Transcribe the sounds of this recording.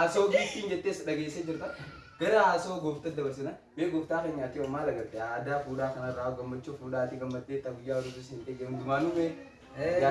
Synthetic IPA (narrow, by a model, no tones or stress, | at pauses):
ɐsoːɡet̪ːiːnd͡ʒɛt̪ːeːsᶑɐɡeːsed͡ʒɪɾt̪ɐ | ɡ̥ɐɾɐːsoːɡoːft̪ɐd̪ɐbɐɾs̬ɪnɐ | meːɡɔft̪aːkeɲːɐːt̪ːɪwɐmːaːlɐɡɐt̪ːɛad̪aːfuːᶑaːkɐnɐrːaːɡɐmːɐt͡ʃːoːfuːᶑaːt̪ːɪɡɐmːɐt̪ːeːt̪ːɐɡʊjːaːɔɾʊd̪ʊsɪnt̪eːd͡ʒɐnd̪ʊmaːnʊme